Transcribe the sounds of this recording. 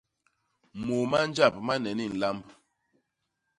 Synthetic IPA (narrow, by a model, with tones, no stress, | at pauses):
mo˨ma˦n˦d͡ʒa˦˨p̚ma˦nɛ˨ni˦˨n̩˨la˦mb